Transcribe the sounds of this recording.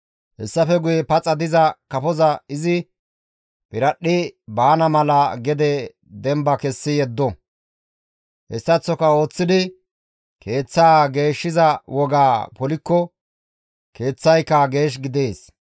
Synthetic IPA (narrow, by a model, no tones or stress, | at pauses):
hɛsːɐfɛɡʊjɛpɐt͡sʼɐd̪ɪzɐkɐpɔzɐɪzɪ | pɪɾɐɗːɪbaːnɐmɐlɐɡɛd̪ɛ | d̪ɛmbɐkɛsːɪjɛd̪ːɔ | hɛ̰sːɐt͡sːɔkɐo̞ːt͡sːɪd̪ɪ | kʰe̞ːt͡sːaːɡe̞ːʃːɪzɐwɔɡaːpɔlɪkːɔ | ke̞ːt͡sːɐjkːɐɡe̞ːʃ̬ɡɪd̪eːs